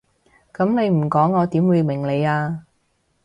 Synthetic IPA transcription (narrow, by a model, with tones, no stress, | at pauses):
kɐ˨˥mne˨˧jm̩˨˩kɔː˨˥ŋːɔː˨˧t̪iː˨˥mwuː˨˧jmɪ˨˩ŋle˨˧jaː˧